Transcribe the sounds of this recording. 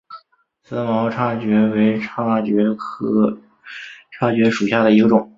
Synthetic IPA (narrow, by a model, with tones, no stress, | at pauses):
sɹ̩˥mɑ˧˥ʊʈ͡ʂʰa˥˩t͡ɕɥɛ˧˥we˧˥ɪʈ͡ʂʰa˥t͡ɕɥɛ˧˥kʰɤ˥ | ʈ͡ʂʰa˥˩t͡ɕɥɛ˧˥ʂu˨˩ɕja˥˩d̪ə˩i˧˥ɡə˧ʈ͡ʂʊ˨˩˦ŋ